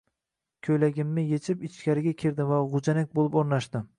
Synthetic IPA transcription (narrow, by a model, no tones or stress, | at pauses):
kʲʰɵjlaɡʲɪmːɪjet͡ʃʰɪpɪt͡ʃkʲaɾɪɡʲakʲʰeɾd̪ɪmvaʁʊd͡ʒanak̚ʲbolˠɪpoɾnaʃd̪ɪm